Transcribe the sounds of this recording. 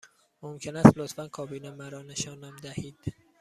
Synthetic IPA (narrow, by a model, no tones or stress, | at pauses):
momcʰe̞næst̪lot̪fænkʰɒːbiːnemæɾɒːne̞ʃɒːnæmd̪æhiːd̪̥